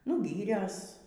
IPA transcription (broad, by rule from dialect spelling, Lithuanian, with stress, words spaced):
nʊ ˈɡʲiːrʲɛs